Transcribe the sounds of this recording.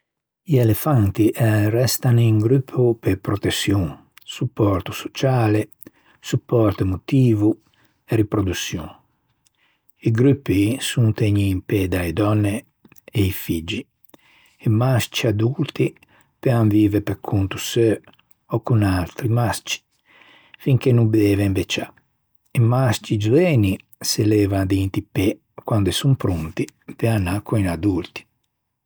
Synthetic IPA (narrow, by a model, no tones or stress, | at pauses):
ielefant̪iʔrɛst̪aniŋɡɾypʰːupepɾot̪esjuŋ | supːɔɾt̪uso̥t͡ʃaːle | supːɔɾt̪emot̪iːvu | eripɾod̪usjuŋ | iɡɾupːisunt̪eɲiːmped̪aid̪ɔnːeː | ifid͡ʒi | ɛmast͡ʃiad̪ult̪i | pɛaɱviːvɛpɛkʰːunt̪u̥sø | ɔkːunalt̪ɾimast͡ʃi̥ | fiŋkenumbd̪ɛːvɛmbɛt͡ʃːa | emast͡ʃid͡ʒuɛːni | sɛlɛːvad̪int̪ipɛ | kwand̪ɛsumpɾunt̪ipeanːakʰːuinad̪ult̪i̥